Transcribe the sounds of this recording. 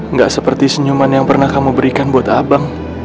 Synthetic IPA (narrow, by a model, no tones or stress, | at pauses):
ŋɡaʔsəpərt̪isəɲumanjaŋpərnahkamubəɾikanbuat̪abaŋ